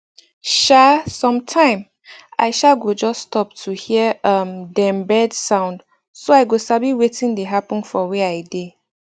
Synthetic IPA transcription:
ʃasɔ̃mtʰãɪ̃m | a̰ɪʃaɡod͡ʒɔsːtʰɔp̚tʰuhiəamdɛ̃mbɛdsãʊ̃nd | soaɪɡosabiwetĩndeɦapɔ̃nfɔweaɪde

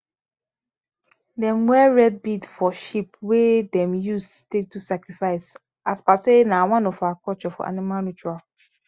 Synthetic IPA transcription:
dɛ̃mwɛɹɛd̚bidfɔʃipwedɛ̃mjustek̚tusakɹifaɪs | aspasenãwãnɔfaakʰɔt͡ʃɔfɔ̰ʔa̰nimalnut͡ʃual

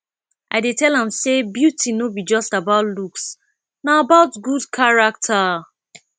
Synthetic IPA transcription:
ʔaɪdetɛlãmsebjutʰinobid͡ʒɔstabaʊtluks | naabaʊtɡudkʰaɹak̚tʰa

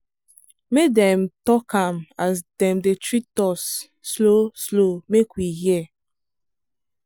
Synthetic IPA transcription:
medɛ̃mtɔkʰãmasdɛ̃mdetɹitɔsː | loslomekwihiɛ

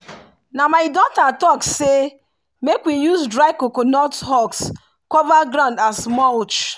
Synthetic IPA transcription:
namaɪdɔtatɔkse | mekwijuzdɾaɪkokonɔtɦɔks | kɔvaɡɾãʊndasmɔlt͡ʃ

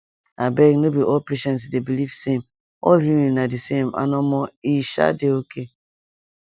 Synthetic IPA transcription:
abɛɡnobiʔɔlpeʃɛ̃nts̬debilivsem | ɔ̰lɦilĩnadisema̰nɔmɔiʃa̰deokʰe

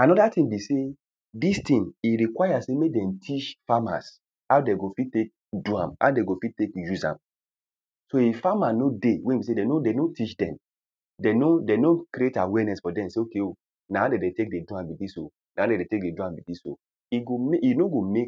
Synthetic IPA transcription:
anɔdatĩnbise | distĩniɾikwaɪjasemedɛ̃mtʰit͡ʃfama̰s | hawdɛɡofittːek̚ | duã̰ma̰deɡofitːekjuzã̰m | soefamanodewɛ̃ibis̬edɛnodenotit͡ʃdɛ̰̃m | dɛnodenokɾietawɛnɛsfɔdɛ̃mseokeo | nahadɛdɛtek̚deduãbitĩso | naadɛdetek̚deduãmbitiso̰ | iɡomejunoɡomek

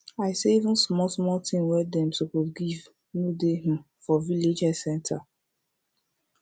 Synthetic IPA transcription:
aɪseivũnsmɔlsmɔltʰĩŋwɛdɛ̃mtukuɡiv | nudehĩm | fɔviled͡ʒɛ̥sɛ̃ntʰa

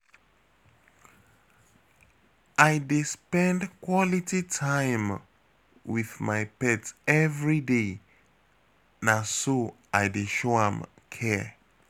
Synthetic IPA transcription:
ajdespɛ̃ndkʰwɔlititʰãɪm | wiðmaɪpɛtɛvɹide | naso | aɪdeʃoãm | kʰɛ

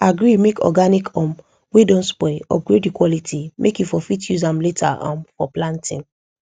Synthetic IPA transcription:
aɡɹimekʰɔ̰ɡanikʰɔ̃m | wedɔ̃nspɔɪɔ̰ɡɹedikwɔlitʰimʔekjufɔfitjuzãmletʰa̰ʔã̰mfɔplãntḭ̃n

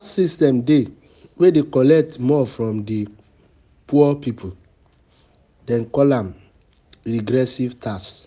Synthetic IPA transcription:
sistɛ̃mde | wedekɔlɛk̚tmɔfɹɔ̃mdi | puɔpipʰu | dɛ̃nkɔlãm | ɹiɡɾɛsivtʰas

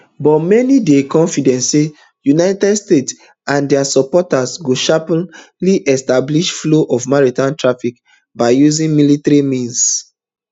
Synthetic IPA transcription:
bɔtmɛnidekɔ̃nfidɛ̃ntse | junaɪtɛdstets | ãndɛasɔpɔtasɡoʃap | liʔɛstabliʃfloʔɔvmɔɹitãntɹafik | baɪjuzĩŋmilitaɹimĩns

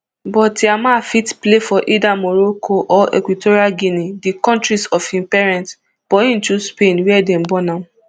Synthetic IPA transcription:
bɔtiamafitplefɔʔidamoɾokʰoʔɔʔḛkwitoɾialɡinidikɔ̃ntɹisɔfĩmpɛɹɛ̃nt | b̥ɔĩntuspenwɛdɛ̃mbɔnã

